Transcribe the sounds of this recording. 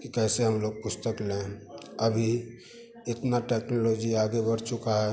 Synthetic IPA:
kikɛseɦəmloɡ̚pʊst̪əklenəbʱi | ɪt̪naʈeknolod͡ʒiaɡebəɾt͡ʃukaɦɛ

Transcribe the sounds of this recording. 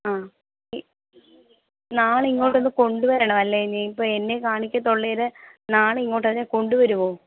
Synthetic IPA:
aː | naːɭiŋːo̞ːʈːo̞nːɨko̞ɳɖuʋɐɾɐːɳɐʋɐlːeɲaipːoːe̞nːekaːɳikʲːɐt̪ːoɭːeɾɨnaːɭiŋːo̞ːʈːɐðineko̞ɳɖuʋɐɾuʋoː

